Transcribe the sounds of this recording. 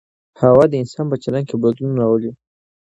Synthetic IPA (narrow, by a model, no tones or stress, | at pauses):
hawɑd̪əɪnsɑnpət͡ʃalaŋkebod̪ununaɾawəli